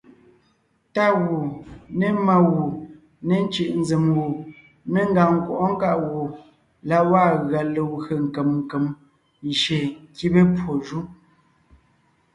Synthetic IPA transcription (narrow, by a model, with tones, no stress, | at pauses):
ta˦˨ɣu˨ne˦ma˦ɣu˨ | ne˦˨n˦t͡ʃi˨ʔn̩˦d͡ze˨mwu˨ | ne˦ŋ̩˦ɡa˨ŋ̩˨kwɔ˨ʔɔ˦ŋ̩˦ka˦ʔwu˨ | la˦waː˦˨ɣa˨lə˨ɣe˨ŋ̩˨ke˨mŋ̩˨ke˨m˨ | ʃe˨ŋ̩˨ki˦be˦pwo˨ʒu˦